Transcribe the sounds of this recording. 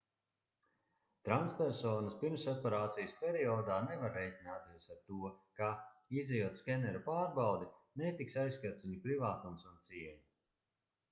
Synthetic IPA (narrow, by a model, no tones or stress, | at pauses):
t̪ɾant̪spɛɾsɔːnɐspiɾmsɔpeɾaːt̪sijəspʲeɾiɔːd̪aːnevaɾːɛjt̪ʲinaːt̪isaɾt̪uɔkaizɛjut̪skʲɛnɛɾupaːɾbawd̪inet̪iksajskaɾt̪sʲiɲupɾivaːt̪umsunt̪siɛɲu